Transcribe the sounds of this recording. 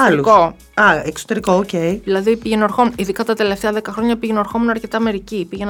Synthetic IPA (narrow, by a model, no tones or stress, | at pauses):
ɐluko | ɐekso̥t̪e̞ɾikooceiðilɐðipiʝenoɾxomniðikɐt̪ɐt̪e̞left̪eɐðekɐxɾo̞ɲɐpiʝenoɾxo̞munɐɾce̞t̪ɐme̞ɾicipiʝen